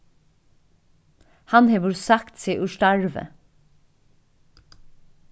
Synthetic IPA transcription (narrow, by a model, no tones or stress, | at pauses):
hɑnheːʋʊɾsɑkt̪seːʔʉʃʈæɹʋə̰